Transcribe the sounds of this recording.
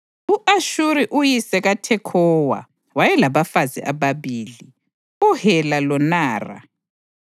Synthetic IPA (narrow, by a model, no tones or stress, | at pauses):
uʔaʃuɾiʔujisɛɣatʰɛkʰɔwa̰ | wajɛlaβafazḭʔaβaβiːli | uhɛlalɔnaːra̰